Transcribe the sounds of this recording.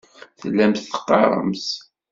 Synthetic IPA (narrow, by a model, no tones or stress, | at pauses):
θəlːæmθə̥qːɑ̰ɾˤə̰ms